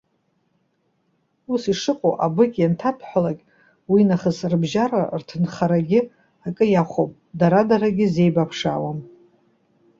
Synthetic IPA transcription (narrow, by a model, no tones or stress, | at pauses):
usiʂɨqʼoʔabɨkʲʼjantʰapʰħʷᶣalakʲʼ | winaχəsrbʒarartʰɨnχaɾaɡʲɪ | akʼɨjaχʷopʼ | daɾadaɾaɡʲɪze̞jbapʰʂa̰wam